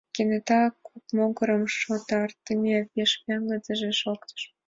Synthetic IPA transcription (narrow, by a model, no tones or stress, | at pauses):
kʲenʲet̪ɑkupmoɡə̆ɾə̆mʃot̪ɑrt̪ːəmʲevʲeʃpʲeŋɡə̆d͡zə̆ʒeʃokt̪ə̥ʃ